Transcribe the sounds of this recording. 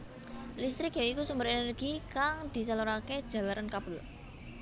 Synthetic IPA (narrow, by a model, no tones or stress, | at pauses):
list̪ɾɪkjaikusumbəɾenərɡ̥ikaŋd̪̥i̤saluɾaked̥ʒ̥a̤laɾʔankab̥ə̤l